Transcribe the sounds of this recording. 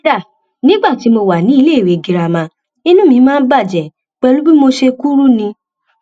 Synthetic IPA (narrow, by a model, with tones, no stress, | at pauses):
a˦˨ | nĩ˦ɡ͡ba˦˨ti˨˦mo˧wa˨nĩ˨˦i˧le˦˨ɾe˨ɡi˨ɾa˧mã˧ | nĩ˦nũ˦mĩ˧˦mãː˦n̩˦ba˦˨d͡ʒɛ˨ | k͡pɛ˧lu˦bi˦mo˧ʃe˧ku˦ɾu˦nĩ˧